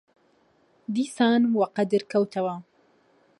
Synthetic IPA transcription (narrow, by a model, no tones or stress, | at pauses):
d̪iːsaːnwɐqɐd̪ɨɾkʰɐwt̪ʰɐwɐ